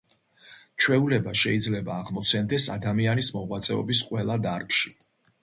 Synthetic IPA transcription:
t͡ʃʰwɛulɛbaʃɛid̪zlɛbaːʁmɔt̪sʰɛnd̪ɛsad̪amianismɔʁwat̪sʼɛɔ̰bis̬qʼwɛlˠad̪aɾkʃi̥

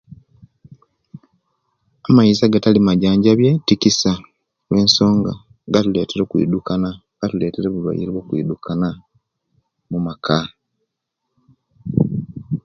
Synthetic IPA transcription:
amaizaɡatalimaɟaːɲɟaβjetikisa | we̞ːnso̞ːŋɡa̰ | ɡatule̞ːteɾo̞ːkwḭdukana | ɡ̥atule̞ːteɾeβulwa̰jḭɾwo̞ːkwḭːdukʰana | mumakʰa

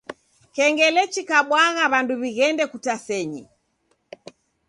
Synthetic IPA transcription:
kɛŋɡɛlɛt͡ʃikaɓwaɣaβanduβiɣɛndɛkutasɛɲḭ

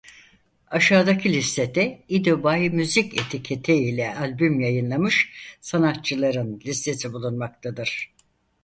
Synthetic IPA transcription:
aʃaːd̪acʰɯlʲist̪ʰe̞d̪ɛid̪obajmyzicet̪ʰicʰet̪ʰeilʲɛalʲbymjajɯnlˠamɯʃsanat̪̚t͡ʃʰɯlˠaɾɯnlʲist̪ʰe̞sibulˠunmak̚t̪ʰad̪ɯɾ̥

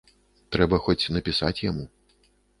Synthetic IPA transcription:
t̪ɾɛbɐxɔt͡sʲnɐpʲisat͡sʲjamu

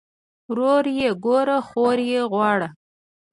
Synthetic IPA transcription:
wɾoɾjeɡoɾaxoɾjeɣwɑɽa

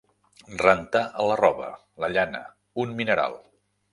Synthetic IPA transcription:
rənt̪aʔələrɔβə̰ | ləʎanə̰ | unminəɾa̰lˠ

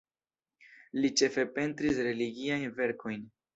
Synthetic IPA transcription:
lit͡ʃe̞fe̞pe̞ntɾisɾe̞liɡiajnve̞ɾkʰo̞jn

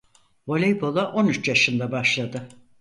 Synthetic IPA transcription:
vo̞lʲejbo̞lˠaʔo̞nyt͡ʃjaʃɯnd̪abaʃlˠad̪ɯ

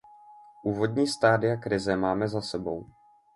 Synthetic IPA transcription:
ʔuːvo̞dɲiːst̪aːdɪjakɾɪzɛmaːmɛzasɛbo̞̰w

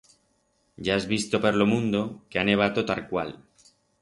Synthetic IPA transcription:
ɟ͡ʝaezβist̪opeɾlo̞mũnd̪okeaneβ̞at̪o̞t̪alkwal

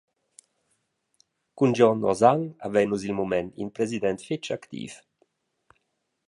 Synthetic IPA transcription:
kund͡ʒɔnɔ̰zaŋa̰vɛjnuzilmumɛnḭnpɾɛzid̪ɛnt̪fit͡ʃakt̪ḭːf

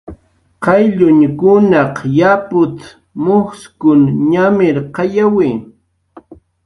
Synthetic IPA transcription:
qɑjʎʊɲkʊnɑqjapʊt̪ | mʊχskʊnɲamɪɾqɑjawiː

